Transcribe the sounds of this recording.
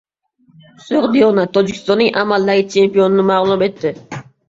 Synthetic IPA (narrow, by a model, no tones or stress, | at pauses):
sʊʁd̪ijonat̪ʰod͡ʒɪkʲst̪ɔnːɪŋʔamalːaɾɪt͡ʃʰempijonɪnɪmɑʁlˠumet̪ʰːɪ